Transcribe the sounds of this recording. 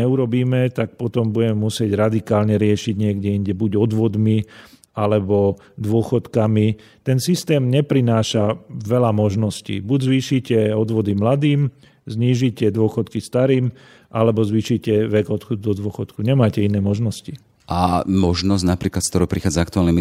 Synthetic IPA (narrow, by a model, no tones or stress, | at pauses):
ɛuɾɔbiːmɛt̪ak̚pɔt̪ɔmbuɟɛmɛmusɪɛɟɾad̪ikaːlɲɛɾɪɛʃiɟɲɪɛɡɟɛiɲɟɛbuɟɔd̪ʋɔd̪mi | alɛbɔ | d̪ʋʊɔxɔt̪kami | t̪ɛnsist̪ɛːmɲɛpɾinaːʃaʋɛlamɔʒnɔscḭːbuɟzʋiːʃicɛɔd̪ʋɔd̪imlad̪iːm | zɲiːʒicɛd̪ʊɔxɔt̪kist̪aɾiːm | ʔalɛbɔzʋiːʃicɛʋɛɡɔt̪xɔd̪ud̪ɔd̪ʋɔxɔt̪kuɲɛmaːcɛinɛːmɔʒnɔsci | ʔamɔʒnɔsɟnapɾiːklat̪skt̪ɔɾupɾixaːd͡zaakt̪uaːlnɛm